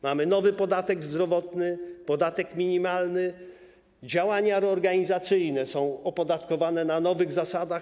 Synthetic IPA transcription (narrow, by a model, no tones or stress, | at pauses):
mamɘnɔvɘpɔd̪at̪ɛɡzd̪ɾɔvɔt̪nɘpɔd̪at̪ɛkmʲiɲimalnɘ | d͡ʑawaɲaɾɛɔɾɡaɲizat̪sɘjnɛsɔ̃w̃ɔpɔd̪at̪kɔvanɛnanɔvɘɣzasad̪ax